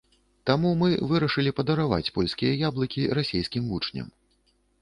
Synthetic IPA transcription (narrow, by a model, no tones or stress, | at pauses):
t̪amumɨvɨɾɐʂɨlʲipɐd̪ɐɾava̰t͡sʲpɔlʲskʲijɐjablˠɐkʲiɾasʲejskʲimvut͡ʂnʲɐ̰m